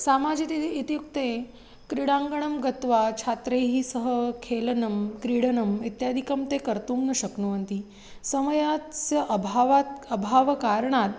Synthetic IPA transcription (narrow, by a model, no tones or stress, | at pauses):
samad͡ʑit̪iit̪ijuk̚t̪e | kɾiɽãŋɡəɳəmɡət̪ʋat͡ɕʰat̪ɾeɦiːsəɦəkʰelnəmkɾiɽənəmit̪jad̪ʱikəmt̪ekəɾt̪ũŋɡnəɕəknuənt̪i | səməjasjəʔəbʱaʋaəbʱaʋkaɾɳat̪̚